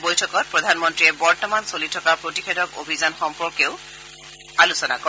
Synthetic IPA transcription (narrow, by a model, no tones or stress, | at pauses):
bojtʰɔkɔt̚pɹɔdʱanmɔntɹiɛbɔɹtɔmansolitʰɔkaɹpɹotixʰedɔkobʱizanxɔmpɔɹkeʊ | alusɔna̰kɔ